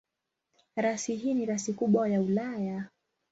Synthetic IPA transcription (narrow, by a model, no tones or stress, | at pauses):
ɾasiɦiːniɾasikuɓwajaulaja